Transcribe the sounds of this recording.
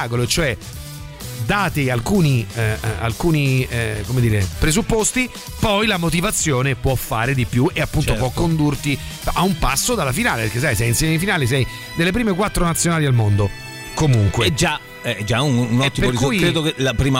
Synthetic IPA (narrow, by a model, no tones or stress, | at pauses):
akoloet͡ʃoɛ | d̪aːt̪ealkuːnia̰lkuːnikomed̪iːɾepɾezupːost̪i | pɔjlamot̪̬ivat̪sːjoːnepwɔfːaːɾed̪ipjuʔeapːunt̪op̬wɔkːond̪urt̪i | aumpasːod̪alafinaːlepeɾkes̬ajs̬ɛjinsjɛmeifinaːlis̬ɛj | d̪elːep̬ɾiːmekwat̪ːɾonat̪sːjonaːlialmond̪o | komuŋkwed͡ʒa | ɛd͡ʒaunnɔt̪ːipemoɾikujkɾeːd̪okelapɾiːma